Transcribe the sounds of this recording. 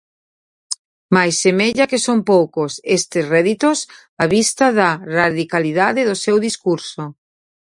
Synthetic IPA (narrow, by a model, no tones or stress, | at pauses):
majsːemeʎɐkesompowkʊsest̪esrɛðit̪os | aβist̪aðɐraðikaliðaðɪðʊsewðiskuɾso